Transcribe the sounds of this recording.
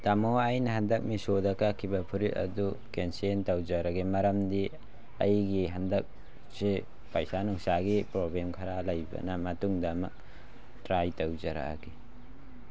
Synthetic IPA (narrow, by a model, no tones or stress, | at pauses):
tamoajnɐɦɐndɐk̚misodɐkakʰːibɐpʰuɾitɐ̰dukensentɐwd͡ʒɐɾɐɡimɐɾɐmdi | ɐ̰jɡiɦɐndɐk̚ | si | pɐjsanuŋsaɡipɾoblemkʰaɾalɐjbɐ̰nɐmɐtuŋdɐmɐk̚ | tɾajtɐwd͡ʒɐɾa̰kʰi